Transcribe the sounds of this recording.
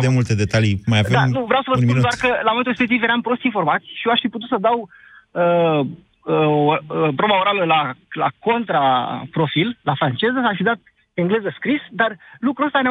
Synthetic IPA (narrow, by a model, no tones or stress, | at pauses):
d̪emult̪ed̪e̞t̪alimajavea̰nuvɾeawsəvəunminud̪oarkəlamomet̪urespekt̪ivjeɾampɾo̞st̪info̞rmat̪sʲʃijeaʃfiput̪̬ut̪səd̪aw | ə | əəpɾobaoɾaləlala̰ko̞nt̪ɾapɾo̞fillafɾant͡ʃe̞zəsːʃfid̪at̪̚ | eŋɡle̞zəskɾisd̪arlukɾuəst̪ane